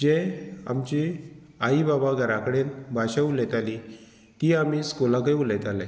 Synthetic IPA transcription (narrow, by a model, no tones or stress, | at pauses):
d͡ʑea̰mt͡ɕi | aibabaɡʱəɾakəɽenbʱaɕaulɛt̪ali | t̪iːamiːskolãkeulɛt̪ala